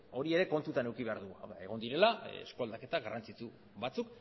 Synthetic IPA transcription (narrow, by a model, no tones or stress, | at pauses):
o̞ɾie̞ɾe̞ko̞nt̪ut̪ane̞wkiβ̞e̞aɾðua̰wðae̞ɣ̞o̞nd̪iɾe̞laḛskoald̪ake̞t̪aɣarʔant͡sit͡su | βat͡suk